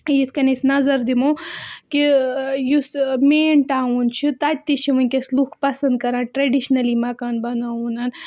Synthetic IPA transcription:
jit̪ʰkɐnesnɐzɐɾd̪imokijusmeːɳʈaːunt͡ʃʰit̪at̪̚ʲt̪it͡ʃʰiʋɐnʲkʲesluxʰpɐsɐnd̪̚kɐɾãːnʈɾɐɖiʃnɐlimɐkaːnbɐnaunɐn

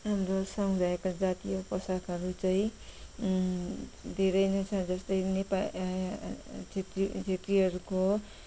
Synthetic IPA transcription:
ɦamɾosʌŋɡd͡zʱaekod͡zat̪ijopʌsakʌɾut͡saĩ | d̪ʱeɾʌjnʌt͡sʰʌd͡zʌst̪ʌjnepa | t͡sʰet̪rit͡sʰet̪riɦʌɾuko

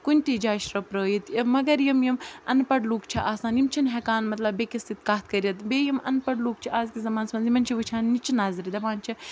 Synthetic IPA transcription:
kunʲt̪id͡ʒaːʃɾɐpɾəːjit̪mɐɡɐɾjɐmjɐmɐnpɐɽluːkt͡ʃʰiʔaːsãːnjimt͡ʃʰinɦɛkaːnmɐt̪lɐbːekɐst̪it̪kaːt̪̚ʰkɐɾjɐt̪beːjɐmɐ̰npɐɽluːkt͡ʃʰiʔaːzkizɐmaːnsmɐnzimɐnt͡ʃʰiʋɨt͡ʃʰaːnnit͡ʃnaːzɾid̪ɐʋaːnt͡ʃʰi

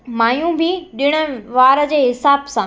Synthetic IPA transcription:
maːjũbʱɪɗɪɽ̃ə̆ʋaːɾəd͡ʑeːɦɪsaːbsã

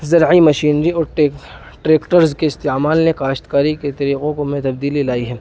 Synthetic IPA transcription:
zɐɾʕimɐʃiːnɾiɔːɾʈ | ʈɾeːkʈəɾzkeɪst̪emaːlnekaːʃt̪kaːɾiket̪ɐɾiːqõkomẽt̪ɐbd̪iːlilaːiɦɛː

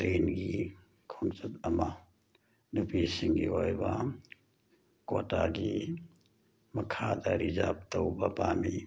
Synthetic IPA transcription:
ɾeːnɡi | kʰɔŋsɐt̪ɐma | nupisiŋɡḭojba | kotaɡi | mɐkʰad̪aɾiza̰b̚t̪ɐwbapaːmi

